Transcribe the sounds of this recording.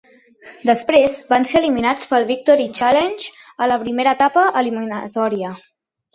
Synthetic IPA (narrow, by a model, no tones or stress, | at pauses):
d̪əspɾezbanseəliminat͡spəlˠβik̚t̪ɔɾit͡ʃalenʲʒ | ələpɾimeɾəːt̪apəʔəliminət̪ɔɾiə